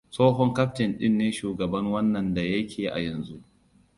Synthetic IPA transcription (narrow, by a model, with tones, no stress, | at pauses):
soː˦ɦɔ˦ŋkɐ˦ɸtɪ˨nɗɪ˦nːeː˦ʃuː˨ɡɐ˨bɐ˦ŋwɐ˦nːɐ˨nda˨jɐ˦kʲʰeː˨ʔa̰˨jɐ˨nzu˦ʔ